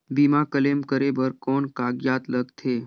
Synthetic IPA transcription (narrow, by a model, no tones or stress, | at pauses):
bimakəlemkəɾebəɾkɔɳkaɡjat̪ləɡt̪ʰeː